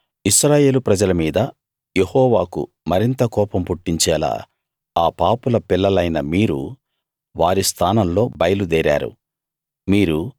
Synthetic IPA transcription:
iʃɾaːje̞ːlupɾɐd͡ʒɐlɐmiːd̪ɐ | jehɔːʋaːkṵ | mɐɾint̪ɐkɔːpɐmpuʈːiɲt͡ʃɛːla̰ː | aːpaːpulɐpilːɐlɐjnɐmiːɾṵ | ʋaːɾist̪ʰaːnɐmlo̞ːbɐjɐlud̪ɛːɾa̰ːɾṵ | miːɾu

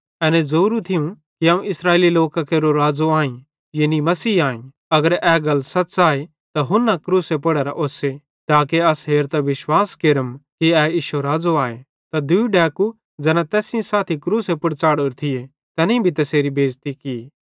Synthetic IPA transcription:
ɛːnezoːɾũt̪ʰɪjũ | kiaːũɪsɾaːeːliloːkakeɾoɾaːd͡zoaːĩ | jenimɐsiːaːẽ | ɐɡəɾɛːɡɐlːsɐt͡ʃaːe | t̪aɦʊnːakɾuːsepɐɽəɾaʔoːse | t̪aːkeɐsɦeːɾt̪aʋɪʃwaːskeɾəmkiɛːiːʃoɾaːd͡zoaːe | t̪ad̪ʊiɖɛːku | d͡zɛːnat̪ɛːsɪ̃saːt̪ʰikɾuːsepʊɽt͡ʃaːɽoɾt̪ʰɪe | t̪ɛːnĩbʱit̪ɐseːɾibʱeːd͡ʒt̪ikiː

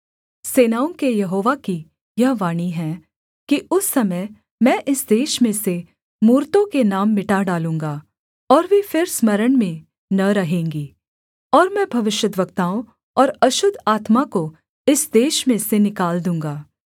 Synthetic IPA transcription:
seːnaːʊ̃kejɐɦoːʋaki | jɐɦʋaːñiɦɛ̃ː | kiʊsːɐməj | mɛ̃ːʔɪsd̪eːʃmẽse | muːɾt̪õkenaːmːɪʈaɖaːlũːŋɡaː | ɔːɾʋefʰɪɾsməɾəɳmẽ | nɐɾɐɦẽːŋɡiː | ɔːɾmɛ̃bʱɐʋɪʃjəd̪ʋəkt̪aːõ | ɔːɾɐʃʊd̪ʱaːt̪mako | ɪsd̪eːʃmẽsenɪkaːld̪ũːŋɡaː

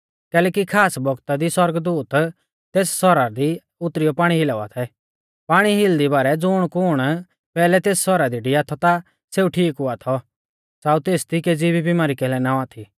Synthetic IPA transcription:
kɛːlɛːkikʰaːsbɔɡt̪ad̪iswɐɾɡd̪uːt̪ | t̪eːssɔɾad̪i | ʊt̪ɾijɔpaːɽ̃iɦɪlaa̰t̪ʰɛ | paːɽ̃iɦɪld̪ibaːɾɛd͡zʊɽ̃kʊɽ̃ | pɛːlɛt̪eːssɔɾad̪iɖiaːt̪ʰɔt̪a | seːuʈʰiːkɦʊat̪ʰɔ | saːut̪eːst̪iked͡zibibimaːɾikɛːlɛnãːat̪ʰi

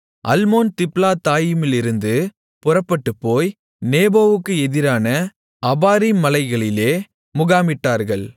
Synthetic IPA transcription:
ʔɐ̰lmoːnt̪ɪplaːt̪aːjɯmɪlɪɾɯnd̪ɯ | pʊrɐpːɐʈːɯpːoːj | neːboːʋɯkːɯɛðɪɾaːnɐ | ʔɐbaːɾimɐlɐɪɣɐɭɪleː | mʊɣaːmɪʈːaːɾɣɐɭ

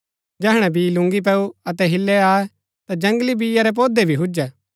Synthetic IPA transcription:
d͡ʒɛːɦɽ̃ɛ̃biːlʊ̃ŋɡip̬ɛːuɐt̪ɛɦɪlːɛaːɛ | t̪ad͡ʒɐ̃ŋɡlibijaɾɛp̬oːd̪ebʱiɦʊd͡ʒɛː

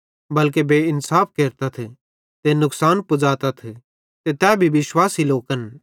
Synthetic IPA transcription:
bɐlk̬ebeːɪnsaːfʰkeːɾt̪at̪ʰe | t̪enʊksaːnpʊd͡zaːt̪at̪ʰe | t̪et̪ɛːbʱiʋɪʃwaːsiloːkən

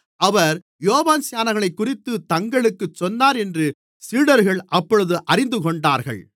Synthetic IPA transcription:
ʔɐʋɐɾ | joːʋaːnsɪjaːnɐɣɐɭɐɪkːʊrɪt̪ːɯt̪ɐŋɡɐɭɯkːɯt͡ʃːɔnːaːɾɛndrɯ | siːɽɐɾɣɐɭʔɐpːɔɻɯðɯʔɐɾɪnd̪ɯkɔɳɖaːɾɣɐ̰ɭ

